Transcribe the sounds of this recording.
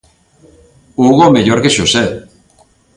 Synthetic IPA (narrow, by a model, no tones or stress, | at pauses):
uɣomejoɾɣiʃose